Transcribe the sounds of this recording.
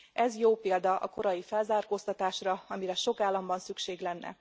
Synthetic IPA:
ɛzjoːpeːld̪ɒʔɒ̰ko̞ɾɒjifɛlzaːrkoːst̪ɒt̪aːʃrɒɒmiɾɛʃo̞kaːlːɒmbɒnsykʃeːɡlɛnːɛ̰

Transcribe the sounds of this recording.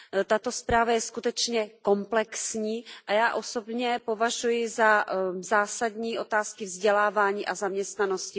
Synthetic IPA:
t̪at̪o̞spɾaːvajɛskut̪ɛt͡ʃɲɛko̞mplɛksɲiːʔajaːʔo̞so̞bɲɛpo̞vaʒujɪzazaːsadɲiːʔo̞t̪aːskɪvzɟɛlaːvaːɲiːʔazamɲɛst̪nano̞scɪ

